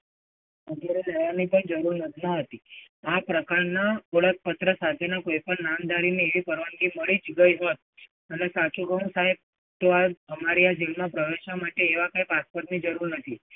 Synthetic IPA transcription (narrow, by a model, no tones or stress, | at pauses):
əd̪ʱjaɾeləjanipənd͡ʒəɾuɾnət̪ʰinəɦət̪i | apɾəkaɾnaəɭək̚pət̪ɾəsat̪ʰenakoipəɳnand̪aɾineeʋipəɾʋəɳɡiməɭid͡ʒɡəiɦot̪̚ | ənesat͡ʃũkəɦũsaɦeb̚ | t̪oaəmaɾiad͡ʒelmãpɾəʋeʃʋamaʈeːʋakaipaspoɾt̪nid͡ʒəɾuɾnət̪ʰi